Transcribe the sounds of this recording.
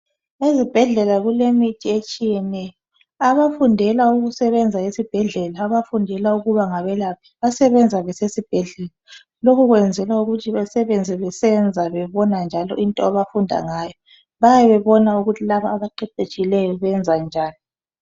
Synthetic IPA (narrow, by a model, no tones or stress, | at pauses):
ezib̥ʱɛɮɛlaɣulemitʰiet͡ʃʼijɛnɛjɔɔ | aβafundʱɛlauɣusɛβɛnd͡zʱaesib̥ʱɛɮɛlaːβafundʱɛlauɣuβaŋaβɛlap̚ʰi̥βasɛβɛnd͡zʱaβɛsesib̥ʱɛɮɛla | lokʰuɣwɛnd͡zʱɛlauɣutʰiβasɛβend͡zʱɛβɛsɛnd͡zʱaβɛβɔnand͡ʒʱalɔʔintʼɔaβafundʱa̰ŋaːjɔ | βajaβɛβɔnauɣutʰilaβaːβaǃɛǃet͡ʃʼilɛjɔβɛnd͡zʱand͡ʒʱaːni